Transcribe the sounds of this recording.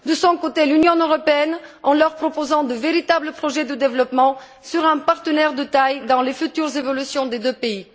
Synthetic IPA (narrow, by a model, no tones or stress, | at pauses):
d̪əsɔ̃kot̪elynjɔ̃øʁɔpeɛnɑ̃lœʁpχɔpozɑ̃d̪əveʁit̪abləpχɔʒɛd̪əd̪evlɔpmɑ̃ | syʁɛ̃paʁt̪ənɛʁd̪ət̪ajd̪ɑ̃lefyt̪yʁzevɔlysjɔ̃d̪ed̪øpei